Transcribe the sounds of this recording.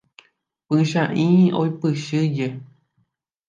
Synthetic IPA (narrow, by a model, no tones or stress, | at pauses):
pɨʃãʔĩo̰ipɨʃɨje